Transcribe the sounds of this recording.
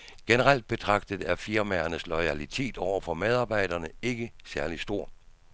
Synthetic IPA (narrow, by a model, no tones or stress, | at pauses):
ɡ̥enəʁal̰d̥̚b̥e̝t͡sʰʁɑ̈ɡ̥̚d̥ð̩ˠæɐfiɐmæɐnəslɒɪælit͡sʰe̝̰ːd̥ɒʊ̰ɐfɒ̽með̞ˠɑ̈ːb̥ɑ̈ɪ̰d̥ɐnəe̝ɡ̥əsæɐlisd̥o̝ɐ̰